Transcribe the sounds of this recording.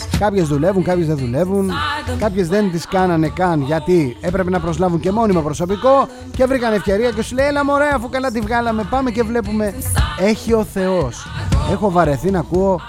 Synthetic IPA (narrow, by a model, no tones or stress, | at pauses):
kɐpçe̞zðule̞vuŋkɐpçezðeðule̞vunkɐpçe̞zðe̞nt̪iskɐnɐne̞kɐnʝɐt̪ie̞pɾe̞pe̞nɐpɾo̞zlɐvuɲce̞mo̞nimɐpɾoso̞piko̞ | cevɾiɣɐne̞fce̞ɾiɐce̞sulejelɐmo̞ɾeɐːfukɐlɐt̪̬ivɣɐlɐme̞pɐme̞ce̞vle̞pume̞e̞çio̞θe̞o̞se̞xo̞vɐɾe̞θinɐkuo̞